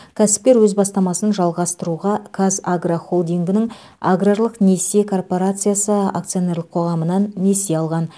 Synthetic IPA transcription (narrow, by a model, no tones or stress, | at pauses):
kʲʰæsɪ̥p̚kʲe̞ɾwɵzbɑst̪ɑmɑsənʒɑlˠʁɑst̪əɾuʁɑkʰazaɡraχo̞lˠd̪ijŋɡʲɪnɪŋ | aɡraɾlˠəqne̞sekʰo̞rpo̞ɾat̪sɨjasəa̰k̚t̪sɨjo̞ne̞rlˠəqʰo̞ʁɑmənɑnːe̞seɑlˠʁɑn